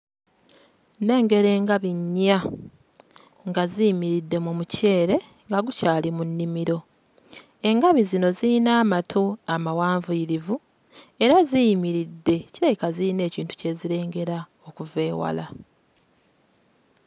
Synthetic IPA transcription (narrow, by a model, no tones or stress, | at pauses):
ne̞ːŋɡe̞ɾe̞ːŋɡaβiɲːa | ŋɡazijimiɾidːe̞mumuce̞ːɾe̞ | ŋɡaɡucaːlimunːimiɾo̞ | e̞ŋɡaβizino̞zinaːmatʰoamawaːɱvuiɾivu | e̞ɾazijimiɾidːe̞ciɾajikaziine̞ːciːntu̥ce̞ːziɾe̞ːŋɡe̞ɾa | okuve̞ːwa̰la